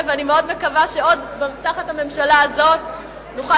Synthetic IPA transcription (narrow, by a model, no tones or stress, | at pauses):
veanimeo̞dme̞kavaʃeo̞dbemtaχathame̞mʃalaːzo̞t̪̚ | noχa